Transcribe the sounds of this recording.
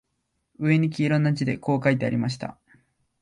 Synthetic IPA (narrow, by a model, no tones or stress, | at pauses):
ɯ̟e̞ɲ̟ik̬ʲiːɾõ̞nːat͡ɕid̪e̞ko̞ːkait̪e̞a̰ɾʲimaɕ̬i̥t̪a̰